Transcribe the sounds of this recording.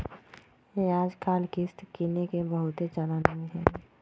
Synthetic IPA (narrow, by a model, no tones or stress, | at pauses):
jeaːd͡ʒkʰaːlkɪst̪kiːnekebəɦʊt̪et͡ʃəlaniɦɛ̃ː